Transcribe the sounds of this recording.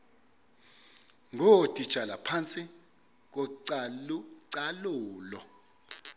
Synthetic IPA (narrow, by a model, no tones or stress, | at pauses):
ŋʱod̥ʱʼid̥ʒ̥ʱalapʰant͡sʼi | k̬ɔǀ | ǀaluːlɔ